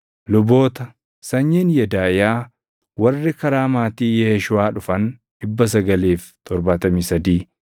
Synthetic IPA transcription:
lʊboːt̪ɐ | sɐɲːɪnjɛd̪aːjaː | wɐrːɪkɐɾaːmaːt̪iːjeːʃʊaːᶑʊfɐnᶑɪbːɐs̬ɐɡɐliːft̪ʰɔɾbaːt̪ɐmiːsɐd̪iː

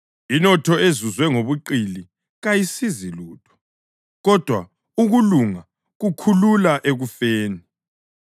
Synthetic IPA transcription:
inɔtʰɔezuzwɛŋoβuǃili | ɣajisiziluːtʰɔ̥ | ɣɔd̥ʱwa̰ | uɣuluŋa | ɣukʰululaʔeɣufeːni

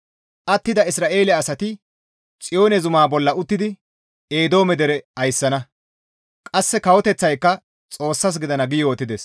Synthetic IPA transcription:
ʔɐt̪ːɪd̪ɐɪsɾaːʔe̞ːlɛɐsɐt̪ɪ | t͡sʼɪjo̞ːnɛzʊmaːbɔlːɐʔʊt̪ːɪd̪ɪ | e̞ːd̪o̞ːmɛd̪ɛɾɛɐjsːɐnɐ | kʼɐsːɛkɐwɔt̪ɛt͡sːɐjkːɐ | t͡sʼo̞ːsːɐs̬ɡɪd̪ɐnɐɡɪjoːt̪ːɪd̪es

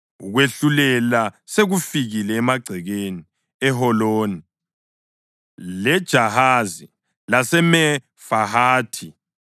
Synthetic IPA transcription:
ɣweɬulɛlaseɣufiɣilɛːmaɡ͡ǀʱɛɣeni | ɛɦɔloːni | lɛd̥ʒ̥ʱahazi | lasɛmɛ | faɦaːtʰi

